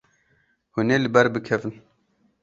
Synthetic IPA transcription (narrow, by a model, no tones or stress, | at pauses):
huneːlɨbɛɾbɨkʰɛvɨn